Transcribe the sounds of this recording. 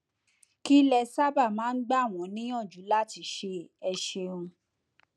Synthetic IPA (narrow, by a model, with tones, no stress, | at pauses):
ki˦lɛ˧sa˦ba˦˨mãː˦n̩˦ɡ͡ba˦˨w̃ɔ̃˨˦nĩ˦j̃ã˦˨d͡ʒu˨˦la˦˨ti˨˦ʃe˧ɛ˧ʃe˧ũ˧